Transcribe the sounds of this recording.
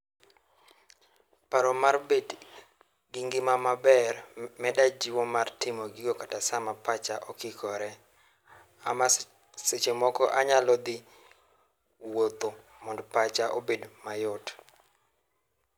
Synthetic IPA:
paɾɔmarbed | ɡiŋɡɪmamabɛrmɛdad͡ʒiwɔmartɪmɔɡiɡɔkatasamapat͡ʃaʔɔkɪkʰɔɾɛ | ama | set͡ʃemɔkɔʔaɲalɔd̪ɪ | wot̪o | mɔndpat͡ʃaʔobedmajʊt

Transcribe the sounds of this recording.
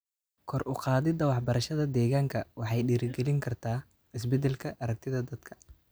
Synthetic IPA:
kʰɔrʔʊqɑːðɪd̪ɐwɑħbɐɾɐʃɐðɐd̪ɛːɣaːŋkʰɐwɑħɑjɖiːɾɪɡɛlɪŋkʰɐrt̪ʰaː | ɪs̬bɛd̪ɛlkʰɐʔɐɾɐk̚t̪ʰɪðɐd̪ɐd̪̥kʰɐ̥

